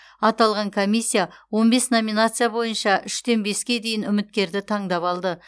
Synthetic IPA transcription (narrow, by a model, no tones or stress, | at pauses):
ɑt̪ɑlˠʁɑŋkʰo̞mʲisʲːijawo̞nbe̞sno̞mʲinat̪sɨjabo̞jənʃɑʔʏʃt̪e̞nbe̞skʲe̞d̪e̞jɪnʏmɪt̪̚kʲe̞ɾd̪ɪt̪ʰɑɴd̪ɑpɑlˠd̪ə